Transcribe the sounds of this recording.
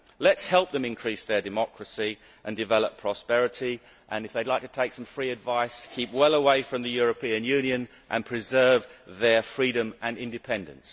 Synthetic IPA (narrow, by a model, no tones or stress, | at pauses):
lətshɛlˠp̚ðə̃mɨ̃nkʰɹ̥isðə˞dɨmɑkʰɹəsi | ʔɨ̃ndɨvɛlˠəpʰɹ̥ɑspɛɹɨɾi | ʔə̃nɨfðeɪdˡlaɪk̚tʰətʰeɪksʌ̃ɱfɹiɨdvaɪskʰiˑp̚wɛlˠəweɪfɹʌ̃mðɨjʊɹəpʰĩɨ̃njʉ̃njɨ̃n | ʔə̰̃npʰɹ̥ɨzɜ˞vðə˞fɹiɾɨ̃mʔɨ̃nɪ̃ndɨpʰɛ̃ndɨ̰̃ns